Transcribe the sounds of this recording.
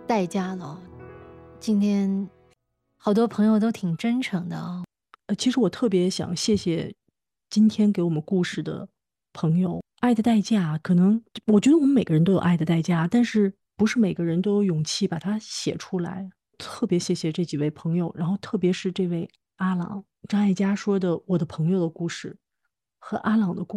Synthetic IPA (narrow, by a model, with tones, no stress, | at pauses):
t̪a˥˩ɪt͡ɕja˥lə˩ | t͡ɕi˥nt̪ʰjɛ˥n | xɑ˨˩ʊt̪̬wɔ˥pʰɤ˧˥ŋjo˧ʊt̪̬o˥ʊt̪ʰi˨˩ŋʈ͡ʂə˥nʈ͡ʂʰɤ˧˥ŋd̪ə̰˧ | ə˧˩t͡ɕʰi˧˥ʂɻ̩˧˥wɔ˨˩t̪ʰɤ˥˩p̬jɛ˧˥ɕjɑ̰˨˩ŋɕjɛ˥˩ɕjɛ˨˩ | t͡ɕi˥nt̪ʰjɛ˥nke˧˥ɪwɔ˨˩mə˦nku˥˧ʂɻ̩˥˩d̪ə̰˩ | pʰɤ˧˥ŋjo˧ʊ | a˥˩ɪd̪ə˩t̪a˥˧ɪt͡ɕja˥˩kʰɤ˨˩nɤ˧˥ŋwɔ˨˩t͡ɕɥɛ˥ə˧wɔ˨˩mə˦me˨˩ɡə˦ɻə˧nt̪̬o˥ʊjo̰˨˩a˥˩ɪd̪ə˩t̪a˥˩ɪt͡ɕja˥˩˨t̪a˥˧nʂɻ̩˥˩ | pu˧˥ʂɻ̩˥˩me˨˩ɪɡə˦ɻə˧˥nt̪o˥ʊ˧jʊ˨˩ŋt͡ɕʰi˥˩pa˨˩t̪ʰa˥ɕjɛ̰˨˩ʈ͡ʂʰu˥la̰˧˥ɪ | t̪ʰɤ˥˩pjɛ˧˥ɕjɛ˥˩ɕjɛ˨˩ʈ͡ʂɤ˥˩t͡ɕi˨˩we˥˩ɪpʰɤ˧˥ŋjo˧ʊɻa˧˥nxo˥˧ʊt̪ʰɤ˥˩p̬jɛ˧˥ʂɻ̩˥˧ʈ͡ʂɤ˥˧we˥˩ɪ | a˥lɑ̰˨˩˦ŋ | ʈ͡ʂɑ˥ŋa˥˩ɪt͡ɕja˥ʂwɔ˥d̪ə˨wɔ˨˩d̪ə˦pʰɤ˧˥ŋjo˧ʊd̪ə˩ku˥˧ʂɻ̩˥˩ | xɤ˧˥ʔa˥lɑ˨˩ŋd̪ə˦ku˥˩